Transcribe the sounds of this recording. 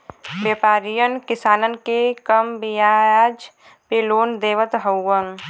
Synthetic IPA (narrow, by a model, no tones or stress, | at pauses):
bjeːpaːɾijənkɪsaːnənkekəmbijaaːd͡ʒ | peloːnd̪eːʋət̪ɦəwːəŋ